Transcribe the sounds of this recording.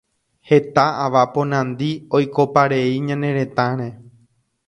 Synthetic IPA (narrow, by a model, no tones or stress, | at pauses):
he̞t̪aaʋapõnãnd̪iojko̞paɾeiɲãnẽ̞ɾẽ̞t̪ãɾ̃ẽ